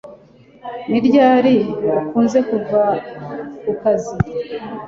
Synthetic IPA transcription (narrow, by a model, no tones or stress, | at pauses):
niɾɟaːɾiakuːnze̞kuɾva | kukazi